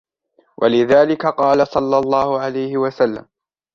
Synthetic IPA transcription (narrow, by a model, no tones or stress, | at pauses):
wʔa̰lɪðaːlɪkaqɑːlasˤɑlːɑlˤːɑːhʊʕalajhɪwasalːa̰m